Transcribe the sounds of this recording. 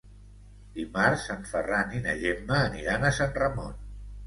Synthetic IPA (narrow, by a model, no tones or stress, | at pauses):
d̪imaɾsaɱfəraninə̰ʒemːəːnḭɾanəsanrəmo̰n